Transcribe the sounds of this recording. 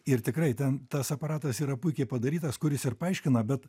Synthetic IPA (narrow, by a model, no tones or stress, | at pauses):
ɪɾt̪ʲɪkrɐɪt̪ʲɛnt̪ɐsɐpɐɾɑːt̪ɐsiːɾɐpʊɪkʲɛɪpɐd̪ɐɾʲiːt̪ɐskʊɾʲɪsɪrpɐɐɪʃʲkʲɪnɐbʲɛt̪